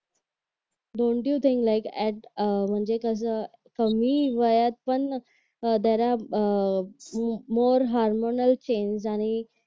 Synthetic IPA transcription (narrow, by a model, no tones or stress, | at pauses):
ɖõɳʈjut̪ʰĩŋklajkɛʈm̤əɳd͡ʑekəs̬ə | kəmiːʋəjat̪̚pəɳ | d̪aɾa | moɾɦaɾmonəlt͡ɕẽnsañi